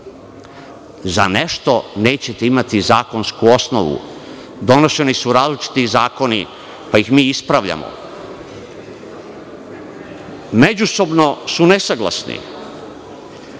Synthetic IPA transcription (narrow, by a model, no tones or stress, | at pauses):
za̰ne̞ʃt̪o̞neːt͡ɕet̪eimat̪izaːko̞nskuo̞sno̰ʋṵ | d̪o̞no̞ʃe̞nisuɾaːzlit͡ʃi̥t̪izaːko̞ni | paixmiːispɾaʋʎa̰mo̰ | me̞d͡ʑuso̞bno̞sunesaɡlˠa̰snḭ